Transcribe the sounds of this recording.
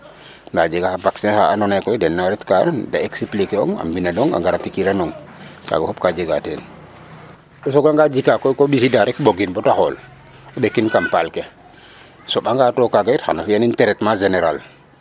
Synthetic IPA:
ŋad͡ʒɛɡahabaksɛnhaʔanɔnajkɔjdɛnːaɾɛtkada̰eksiplikɛɔ̰ŋa̰mbinadɔŋa̰ŋɡaɾapikiɾanɔŋ | ka̰ɡahɔp̚kad͡ʒɛɡatɛn | ɗɔs̬ɔɡaŋɡad͡ʒikakɔjkobisidaɾɛkboɡinbɔtahɔl | ɔɓekːinkampalkɛ | sɔɓaŋɡatɔkaɡaitha̰nafianintɛɾɛtmad͡ʒenɛɾal

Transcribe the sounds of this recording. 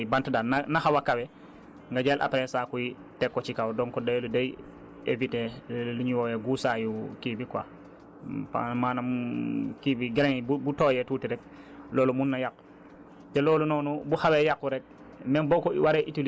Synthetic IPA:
bantdaːnanahawakawɛ | ŋɡaɟelʔa̰pɾɛsaːkuji | tɛkːɔt͡ʃikawdɔŋkɔdajludaj | ḛviteluɲiwɔjɛɡusajukibikwa̰ | pa̰maːnamkibiɡɛleŋbubutoːjɛtuːtiɾɛk̚ | loːlumunːajakː | tɛloːlunɔnubuhawɛjakːuɾɛk̚ | mɛnbokɔwaɾɛʔituli

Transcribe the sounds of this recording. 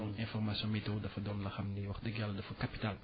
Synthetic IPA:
ɛ̃fɔrmasjɔ̃mitɔwdɐfɐdɔnlɐxɐmniwɐxdɐɡalːɐdɐfɐkapi̥tal

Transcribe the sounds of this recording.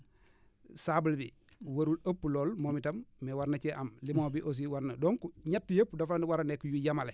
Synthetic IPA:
sabulbi | wɐɾulɐpːuloːlmomitɐmːewaɾnat͡ʃeʔamlimobiʔos̬iwaɾnɐdoŋkuɲatːijɐpːdoflaniwaɾanekujujamale

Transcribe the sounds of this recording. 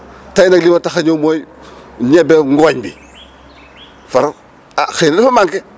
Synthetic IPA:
tajnaklimataxaɲomojɲɛbɛŋɡoɲbḭ | faɾa | axenifamaŋkɛ

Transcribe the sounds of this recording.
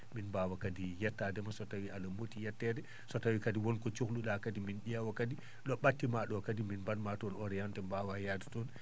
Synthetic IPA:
minbawakadijɛtːadɛmasɔtawiʔalamotijɛtːɛdɛ | sɔtawikadiwɔnkɔt͡ʃukluɗakadiminɗɛwakadi | ɗɔɓatːimaɗɔkadiminbanmatɔnɔɾɛjantɛmbawajadi̥tɔn

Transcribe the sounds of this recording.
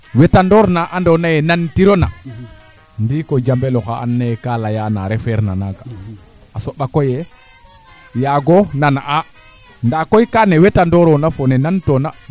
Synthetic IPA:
wetandɔɾnaʔandonajɛnantiɾona | ndikod͡ʒambeloxaʔa̰nːajɛkalajana̰ɾɛfɛɾna̰naɡa̰ | asoɓakojɛ | jaɡonanaʔa | ndakojkanewetandɔɾonafonɛnantona

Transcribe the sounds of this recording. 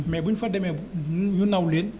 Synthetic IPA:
mɛ̰biŋfət̚ɗemɛɲunːawliən

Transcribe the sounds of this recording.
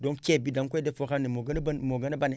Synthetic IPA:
doŋkebidaŋkodefokanːemoɡnnmoɡanebane

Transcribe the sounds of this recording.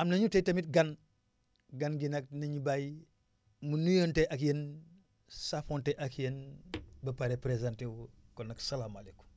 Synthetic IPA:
amnɐɲutetɐmit̚ɡan | ɡanɡinɐk̚nɐɲubaji | munujonteʔakjen | safonteʔakjenbɐpaɾepɾezantewkonːɐksɐlaːmaleku̥

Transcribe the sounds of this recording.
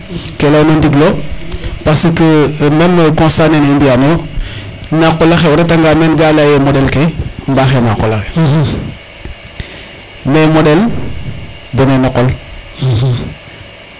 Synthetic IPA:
kelawnondiɡlo | pasikəmenːəkõnstanenindijano | nakolaxeoɾetaŋɡamenɡalajemodelkembaxenakolaxe | memodel | bunenaqol

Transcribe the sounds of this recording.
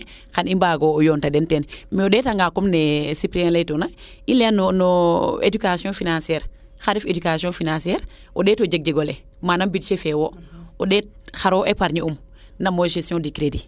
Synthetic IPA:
xanimbaɡoːjontadentenmiodeːtaŋɡakumnesipɾiãlejtona | ileanonoḛdukasjɔ̃finãsiɛɾ | xaɾifedukasjõfinãsiɛɾ | odeːtod͡ʒek̚d͡ʒeɡole | manambitt͡ʃefewoodet̚ | xaɾoʔepaɾɲium | namoʃesijõdikɾedi

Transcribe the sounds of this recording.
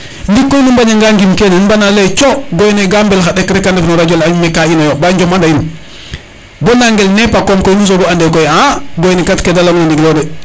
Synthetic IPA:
ndikːojnimbaɲaŋɡaŋɡimkenenbanalet͡ʃoɡojneɡambelxaɗekɾekandefnoɾad͡ʒolaɲumekainajobaɲd͡ʒomandain | bonaŋɡelnepakomkojnus̬oɡoandekojaɡojnikatkedaloɡnandiɡlode

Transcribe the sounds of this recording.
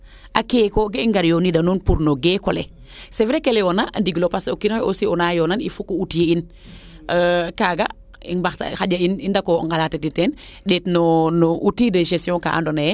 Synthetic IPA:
ʔakekoɡeiŋɡaɾjonidanunpuɾnoɡekole | sevɾekelewonaʔandiɡlopasokinoosiɔnajonanḭfukoutijein | kaːɡa | ḭŋbatxaɟainindako̰ŋɡalatetitɛn | ɗetnonoʔutideʃesjõka̰ʔa̰ndona

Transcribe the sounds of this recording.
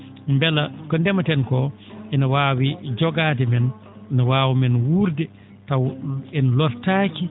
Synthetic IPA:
mbɛlakɔndɛmatɛnkɔ | ʔɛnawaːwid͡ʒɔɡaːdɛmɛn | nawaːwimɛnwuɾdɛ | tawɛnlɔɾtaːki

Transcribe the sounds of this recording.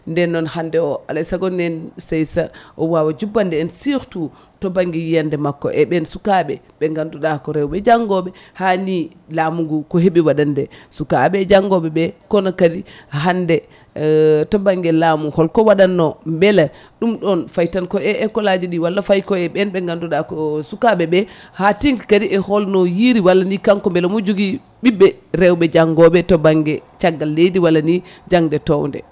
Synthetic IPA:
ndɛnːɔnhandɛɔa̰lajsaɡɔnɛnsɛjsaʔɔwawad͡ʒubːandɛːnsiɾtu | tɔbaŋɡɛjijandɛmakːɔ̰ʔɛɓɛnsukaɓɛ | ɓɛŋɡanduɗakɔɾɛwɓɛd͡ʒaŋɡɔɓɛ | hani | lamuŋɡukɔɦeɓiwaɗandɛsuka̰ɓɛd͡ʒaŋɡɔɓɛɓɛkɔnɔkadiɦandɛ | tɔbaŋɡɛlamuŋhɔlkɔwaɗanːɔmbɛla | ɗumɗɔnfajtankɔɛɛkɔlad͡ʒiɗiwalːafajkɔɛɓɛnbɛŋɡanduɗakɔsukabɛbɛhatiŋkkadiʔɛhɔlnɔjiɾiwalːanikaŋkɔmbɛlamud͡ʒuɡi | ɓibːɛɾɛwbɛd͡ʒaŋɡɔbɛtɔbaŋɡɛt͡ʃaɡːalːejdiwalːani | d͡ʒaŋdɛtɔwndɛ̰

